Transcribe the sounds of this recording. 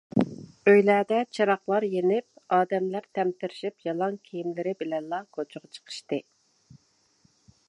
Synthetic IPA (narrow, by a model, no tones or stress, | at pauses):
øjlæːd̪ɛt͡ʃʰɑɾɑχlˠɑɾjenɪp̚ɑːd̪ɛmlæɾt̪ʰɛmt̪ʰɪɾɪʃipjɑlˠɑŋkʲʰijimlɪɾɪbɪlɛnlˠɑkʰot͡ʃʰʊʁɑt͡ʃʰə̥qʰə̥ʃt̪ɨ